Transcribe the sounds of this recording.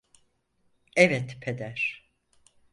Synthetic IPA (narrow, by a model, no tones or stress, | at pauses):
ɛvɛt̪pʰed̪æɾ̥